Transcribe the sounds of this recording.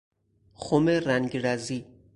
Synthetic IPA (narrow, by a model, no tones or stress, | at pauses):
xomeɾæŋɡɾæziː